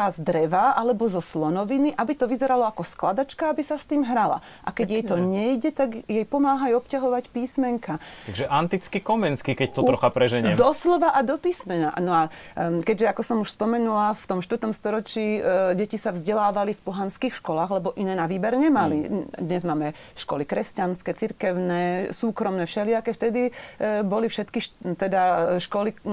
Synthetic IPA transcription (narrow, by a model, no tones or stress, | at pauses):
azd̪ɾɛʋaʔalɛbɔzɔslɔnɔʋiniʔabit̪ɔʋizɛɾalɔakɔsklad̪at͡ʃkaabisast̪iːmɦɾala̰ | ʔa̰kɛɟjɛjt̪ɔɲɛjɟɛt̪aɡjɛjpɔmaːɦajɔpcaɦɔʋacpiːsmɛŋkat̪aɡʒɛʔant̪it͡skikɔmɛnskikɛct̪ɔt̪ɾɔxapɾɛʒɛɲɛmd̪ɔslɔʋaʔad̪ɔpiːsmɛna̰ʔnɔa | kɛɟʒɛakɔsɔmuʃspɔmɛnulaft̪ɔmʃt̪ʋəɾt̪ɔmst̪ɔɾɔt͡ʃiːɟɛcisavzɟɛlaːʋalifpɔɦanskiːxʃkɔlaːɣlɛbɔʔinɛːnaʋiːbɛɾɲɛmalid̪ɲɛzmaːmɛ | ʃkɔ̰likɾɛscanskɛt͡siɾkɛʊnɛːsuːkɾɔmnɛʃɛlɪakɛft̪ɛd̪ibɔlifʃɛt̪kiʃt̪ɛd̪aʃkɔli